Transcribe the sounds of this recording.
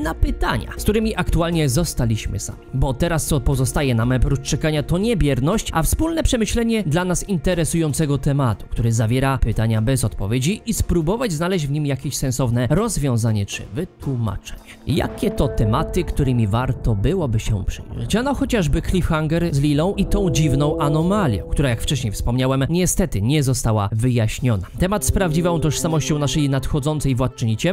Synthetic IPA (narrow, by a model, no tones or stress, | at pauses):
napɘt̪aɲa̰skt̪uɾɘmʲiʔakt̪ualɲɛzɔst̪alʲiɕmɘ̰sa̰mʲbɔt̪ɛɾast̪sɔpɔzɔst̪ajɛnamɛpɾutt͡ʂɛkaɲat̪ɔɲɛbʲjɛɾnɔɕt͡ɕʔafspulnɛpʂɛmɘɕlɛɲɛd̪lanasint̪ɛɾɛsujɔnt̪sɛɡɔt̪ɛmat̪u̥kt̪uɾɘzavʲjɛɾapɘt̪aɲabɛzɔt̪pɔvʲjed͡ʑiʔispɾubɔvad͡ʑznalɛʑd͡ʑvɲimjakʲeɕsɛ̃nsɔvnɛɾɔzvʲjɔ̃w̃zaɲɛt͡ʂɘ̰vɘt̪wuma̰t͡ʂɛ̥ɲt͡ɕ | ja̰kʲɛt̪ɔt̪ɛmat̪ɘkt̪uɾɘmʲivaɾt̪ɔbɘwɔbɘɕɛpʂɘ̰jʐɛ̰t͡ɕanɔxɔt͡ɕaʐbɘklʲifxaŋɡɛɾzlʲilɔ̃w̃ʔit̪ɔ̃w̃d͡ʑivnɔ̃w̃ʔanɔmalʲjɛ̰k̚t̪uɾajakft͡ʂɛɕɲejfspɔmɲawɛmɲɛst̪ɛt̪ɘɲɛzɔst̪awa̰vɘjaɕɲɔnat̪ɛmat̪spɾavd͡ʑivɔ̃w̃t̪ɔʂsamɔɕt͡ɕɔw̃naʂɛjnat̪xɔd̪zɔnt̪sɛjvwat̪t͡ʂɲit͡ɕɛ